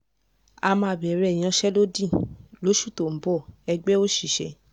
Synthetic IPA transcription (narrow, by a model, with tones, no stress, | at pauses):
a˧mã˧˦˧bɛ˨ɾɛ˨j̃ã˧˦ʃɛ˦lo˦dĩ˦˨lo˨˦ʃu˦˨to˨m̩˨˦bɔ˦˨ɛ˧ɡ͡bɛ˦o˦ʃi˦˨ʃɛ̰˨˧